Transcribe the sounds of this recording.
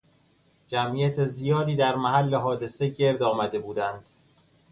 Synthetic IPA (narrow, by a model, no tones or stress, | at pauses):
d͡ʒæmʔijæt̪ʰezijɒːd̪iːd̪æɾmæɦælːeɦɒːd̪e̞se̞ɟe̞ɾd̪ɒːmæd̪e̞buːd̪ænd̪̥